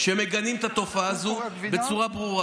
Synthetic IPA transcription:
ʃemeɡanimt̪at̪o̞faːzube̞t͡suʁabʁuʁa

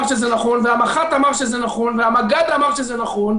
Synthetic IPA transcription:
ʁʃezɛnaχonveamaχat̪amaʁʃezɛnaχonveamaɡad̪amaʁʃezɛnaχon

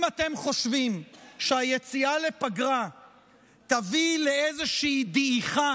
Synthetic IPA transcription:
mat̪e̞mχo̞ʃvimʃeajet͡siale̞paɡʁa | t̪avileezeʃiːd̪iiχa

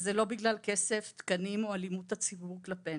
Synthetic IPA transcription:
zelo̞biɡlalkese̞ft̪kanimoalimut̪hat͡sibuuʁklape

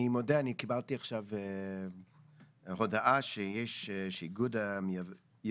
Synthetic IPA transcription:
imodeanikibalt̪iaχʃave | ʁodaʔaʃejɛʃʃeɡud̪amja

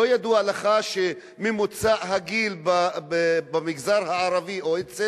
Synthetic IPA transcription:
ojad̪uaalaχaʃe | memut͡saʔɦaɡilbabebamiɡzaʁhaaʁaviʔoet͡se

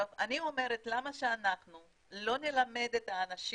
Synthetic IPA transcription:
ovanio̞me̞ʁet̪lamaʃeanaχnu | lo̞nelame̞d̪et̪aːnaʃi

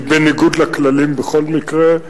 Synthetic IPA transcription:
beniɡud̪laklalimbeχo̞lmikʁe

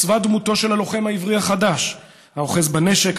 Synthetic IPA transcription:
vad̪muto̞ʃelalo̞χemhaivʁihaχadaʃ | haoχe̞zbane̞ʃe̞k

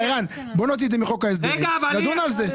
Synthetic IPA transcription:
eʁan | bonot̪̬izɛmiχokaes̬d̪evnad̪unalze

